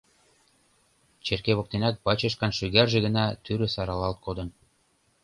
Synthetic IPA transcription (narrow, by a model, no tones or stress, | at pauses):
t͡ɕerkeβok̚t̪enɑk̚bɑt͡ɕɤʃ̬kɑnʃyɣærʒĕɣə̆nɑt̪yɾø̆sɑɾɑlɑlt̪̚kod̪ɤ̆n